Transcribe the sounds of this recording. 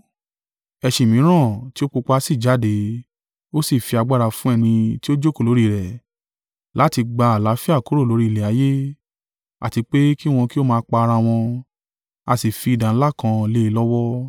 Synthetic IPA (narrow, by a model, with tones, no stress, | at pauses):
ɛ˧ʃi˨mĩ˨˦ɾ̃ã˦˨ti˦o˦k͡po˧k͡pa˧a˧˦si˦˨d͡ʒa˨˦de˨˦ | o˦si˦˨fi˧a˧ɡ͡ba˦ɾa˧fũ˦ɛ˦˧nĩ˧ti˦o˦d͡ʒo˦˨ko˦˨lo˨˦ɾi˦˨ɾɛ˨ | la˨˦ti˧ɡ͡ba˧a˨la˨˦fi˦a˦˨ko˨˦ɾo˦˨lo˨˦ɾi˦˨lɛ˨a˨˦je˦ | a̰˨ti˧k͡pe˦ki˦w̃ɔ̃˧ki˦o˦mãː˧˦k͡pa˧a˧ɾa˧w̃ɔ̃˧ | a˧si˨fi˧i˨dã˨n̩˦la˦kã˧˦le˦i˧˦lɔ˦wɔ˦